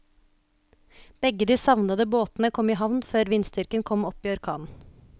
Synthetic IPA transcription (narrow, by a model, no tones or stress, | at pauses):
b̥ɛɡəd̪iːsɑʋnɑd̪əboːt̪n̩əkʰɔmiːɦɑʋnføːɾʋɪnst̪ʏɾkənkʰɔmɔpiːɔɾkʰɑ̰ːnn̩